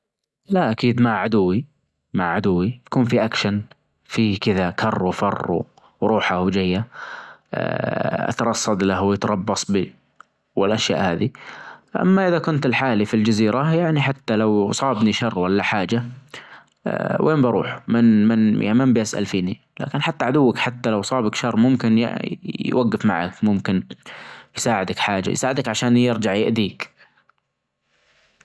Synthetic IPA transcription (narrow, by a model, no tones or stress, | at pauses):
laʔakiːd̪maʕʕad̪ʊwːi | maʕʕad̪ʊwːijḁkuːnfiʔakʃan | fiːkɪðakʰɑrˤːufɑrˤːṵ | ɾˤuːħahwd͡ʒajːa̰ | ʔa̰t̪ɑɾˤɑsˤːɑd̪lahwjɪt̪ɾˤɑbːɑsˤbi | wɪlʔaʃja̰ːʔhaːðiʔa̰mːaʔɪðakʊnt̪ɪlħaːlifild͡ʒaziːɾajaʕniħat̪ːalawsˤɑːbniʃɑrˤːwalːaħaːd͡ʒa | wʔeːmbɑɾˤṵːħmɪnmɪnjʔa̰mɪmbʔasʔa̰lfiːni | la̰ːkɪnħat̪ːaʕad̪ʊwːakħat̪ːalawsˤɑːbakʃɑrˤːmʊmkɪn̰jwʔaɡːɪfma̰ʕa̰kmʊmkɪn | jsaːʕɪd̪akħaːd͡ʒa̰j̰saːʕɪd̪akʕaʃaːnjɪɾd͡ʒaʕjɪʔd̪iːk